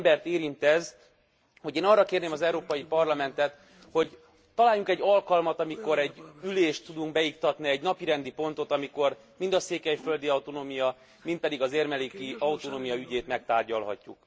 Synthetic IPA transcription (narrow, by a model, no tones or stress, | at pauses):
bɛrt̪eːɾint̪ɛz | ho̞ɟeːnɒrːɒkeːrneːmɒzɛuɾoːpɒjipɒrlɒmɛnt̪ɛt̪ | ho̞ɟ | t̪ɒlaːjːuŋkɛɟːɒlkɒlmɒt̪ɒmiko̞ɾɛɟːyleːʃt̪ːud̪uŋkbɛjikt̪ɒt̪niɛɟnɒpiɾɛnd̪ipo̞nt̪o̞t̪ɒmiko̞r | mind̪ɒseːkɛjføld̪iɒwt̪onoːmijɒ | mint̪̚pɛd̪iɡɒzeːrmɛliːkiɒut̪onoːmijɒyɟeːt̪mɛkt̪aːrɟɒlɦɒ̰cːṵk